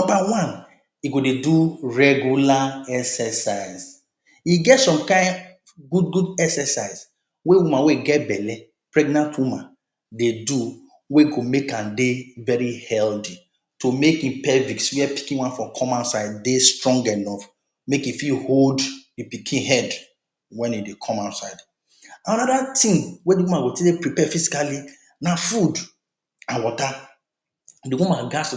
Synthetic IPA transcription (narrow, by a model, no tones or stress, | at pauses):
nɔ̃mbawãn | iɡodeduɹɛɡjulaɛksɛsaɪz | iɡɛtsɔ̃mkãɪ̃n | ɡudɡudɛksɛsaɪz | wewumãweɡɛtbɛlɛ | pɹɛɡnãntwumã̰n | dedu | weɡomekãndevɛɹihɛldi | tomekĩmpɛvikswiɛpi̥kĩnwãnfɔkʰɔ̃maʊtsaɪd̚destɹɔ̃ŋɡɛnɔf | mekifiholddipikʰĩnɦɛd | wɛ̃nidekʰɔ̃maʊtsaɪd | anɔdatĩmwediwumãɡotedepɹipɛfizi̥kali | nafud | ãnwɔta | diwumãnɡas